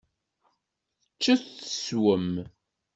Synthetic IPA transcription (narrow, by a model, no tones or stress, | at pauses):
θθət͡ʃːəθθə̥swəm